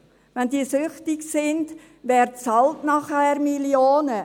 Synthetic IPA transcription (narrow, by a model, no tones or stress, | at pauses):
ʋɛndiːsʏχtɪksɪnd | vɛːɾtt͡sɑltnɑχhɛːrmiljoːnə